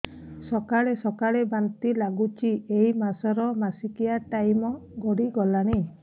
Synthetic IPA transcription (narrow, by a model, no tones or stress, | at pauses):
sɔkaɭesɔkaɭebant̪ilaɡut͡ʃʰiejmasɔɾɔmasikijaʈajmɔɡɔɽiɡɔlaɽ̃i